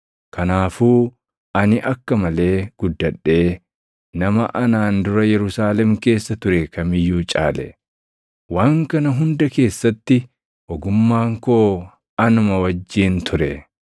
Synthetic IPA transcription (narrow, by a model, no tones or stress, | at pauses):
kɐnaːfuː | ʔɐnɪʔɐkːɐmɐle̞ːɡ̥ʊd̪ːɐᶑːe̞ː | nɐmɐʔɐnaːnd̪ʊɾɐjɛɾʊsaːlɛmke̞ːsːɐt̪ʊɾɛkɐmɪjːuːt͡ʃʼa̰ːlɛ̰ | waːŋkɐnɐɦʊnd̪ɐke̞ːsːɐt̪ːɪ | ʔɔɡʊmːaːŋkoː | ɐnʊmɐwɐd͡ʒːiːnt̪ʰʊɾɛ